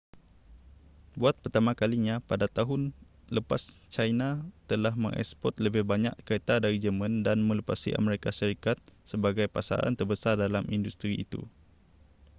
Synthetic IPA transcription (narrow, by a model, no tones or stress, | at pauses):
buat̪̚pərt̪amãkaliɲãpadat̪aɦʊn | ləpast͡ʃajnat̪əlahmə̰ŋʔɛ̰spɔt̪̚ləbɪhbaɲa̰ʔkaet̪adaɾid͡ʒəmə̃ndanmə̃lupasiʔa̰məɾekaʃəɾikat̪̚səbaɡajpasa̰ɾa̰nt̪ərbəsardalamindust̪ɾiḭt̪ṵ